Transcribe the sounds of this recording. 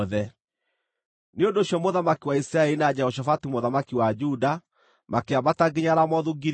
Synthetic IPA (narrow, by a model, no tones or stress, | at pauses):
ðɛ | neondoɕjɔmoðamakiwaisɾaɛlinad͡ʑɛhɔʃ̬afatumoðamakiwad͡ʒuda | makeabataɡeɲaɾamɔðuɡiɾ